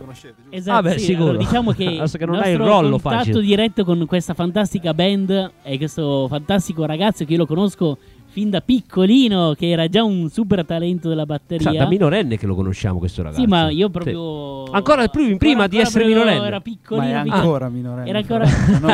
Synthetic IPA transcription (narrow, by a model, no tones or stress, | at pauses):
ezaabɛsisilkuoːɾad̪it͡ʃaːmokeɛsokenonasjt̪ɾoɔloːonfaatiːod̪iɾɛt̪ːokonkwest̪afant̪ast̪ikabɛnd̪ɛkwest̪ofant̪ast̪ikoɾaɡat̪sːokeiolokonoskofind̪apikʰːoliːnokeɛːɾad͡ʒaunsup̬ert̪alɛnt̪od̪elːabat̪ːeɾiːad̪aminoɾɛnːekelo̰kono̰ʃːa̰ːmo̰kwḛst̪o̰ɾa̰ɡasimaiːop̬ɾɔɾjpoaŋkoːɾapɾupɾiːmad̪iɛsɔːpeɾeminoɾɛnɛːɾapikʰːoliːnapiɾaminɛːɾaŋkoːɾa